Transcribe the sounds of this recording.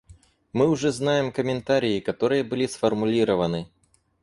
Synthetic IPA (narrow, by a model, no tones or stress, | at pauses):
mɨʊʐɛznajɪmkəmʲɪnt̪aɾʲɪːkɐt̪o̞ɾɨjəbɨlʲisfərmʊlʲiɾəvənɨ